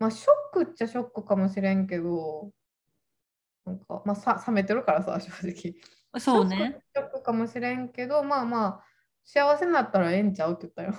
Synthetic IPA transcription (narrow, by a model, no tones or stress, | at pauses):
maːɕo̞kːɯ̟t͡ɕːaɕo̞kːɯ̟kamo̞ɕiɾẽ̞ŋke̞d̪o̞ | nãŋka̰maːsasame̞t̪e̞ɾɯ̟kaɾasa̰ɕo̞ːd͡ʑikʲi | sooneɯɕo̞kːɯ̟kamo̞ɕiɾẽ̞ŋke̞d̪o̞maːmaː | ɕiaβase̞nat̪ːaɾaẽ̞ɲ̟t͡ɕaɯ̟t̪ːojɯt̪ːajo